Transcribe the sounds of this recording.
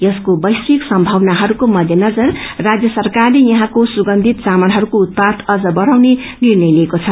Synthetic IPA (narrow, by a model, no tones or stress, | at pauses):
jʌskobʌjsiksʌmbʱʌwnaɦʌɾukomʌd̪ʱjʌnʌd͡zʌrrad͡zjʌsʌrkarlejʌɦãkosuɡʌnd̪ʱit̪samʌnɦʌɾukout̪̚pad̪ʌd͡zʌbʌɾawne | nirnʌjleːkot͡sʰʌ